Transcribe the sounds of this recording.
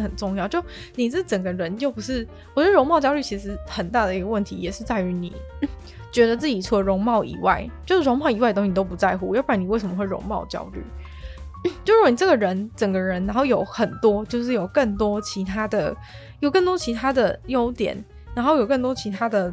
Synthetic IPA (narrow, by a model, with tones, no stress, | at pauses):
xə˨˩nʈ͡ʂʊ˥˧ŋjɑ˥˩ʊt͡ɕjo˥˩ | ni˨˩t͡s̩˥˩˨ʈ͡ʂə˨˩ŋɡə˦ɻə˧˦nt͡ɕjo˥˩ʊpu˧˥ʂɻ̩˥˩ | wɔ˨˩t͡ɕɥɛ˧˥ə˥ɻo˧˥ŋmɑ˥˩ʊt͡ɕjɑ˥ʊly˥˩t͡ɕʰi˧˥ʂɻ̩˧˥xə˨˩nt̪a˥˩d̪ə˩i˧ɡə˧wə˥˩nt̪ʰḭ˧˥jɛ˨˩ʂɻ̩˥˧t͡sa˥˩ɪy˧˥nḭ˨˩˦ | t͡ɕɥɛ˧˥d̪ə˧t͡sɹ̩˥˩t͡ɕi˨˩t͡sʰu˥˩˨ɻʊ˧˥ŋmɑ˥˩ʊʔḭ˨˩˦wa̰˥˩ɪt͡ɕjo˥˧ʊʂɻ̩˥˩o˧˥ŋmɑ˥˩ʊi˧˥wa˥˩də˩t̪ɕi˨˩t̪o˥ʊpu˧˥t͡sa˥˧ɪxu˥˩˨jpa˨˥˩ni˨˩we˥˩ɪʂə˧˦mə˧xwe˥˩ɪɻʊ̰˧˥ŋmɑ̰˥˩ʊt͡ɕjɑ̰˥ʊly̰˥˩ | t͡ɕjo˥˧ʊɻə˥wni˨˩ʈ͡ʂɡə˩ɻə˧˥nʈ͡ʂə˨˩ŋɡə˩˦ɻə˧˦˥nːa˧˥nxo˥˩ʊjo˧˥ʊxə˨˩nt̪wɔ˥t͡ɕjo˥˧ʊʂ̬ɻ̩˥˩jo˨˩ʊkə˥˩ŋt̪wɔ˥t͡ɕʰi˧˥t̪ʰa˥d̪ə˨ | jo˨˩ʊkə˥˩ŋt̪wɔ˥t͡ɕʰi˧˥t̪ʰa˥d̪ə˨jo˥ʊt̪jɛ̰˨˩˦n | na˧nxo˥˩ʊjo˨˩ʊkə˥˩nt̪̬wɔ˥t͡ɕʰi˧˥t̪ʰa˥d̪ə˨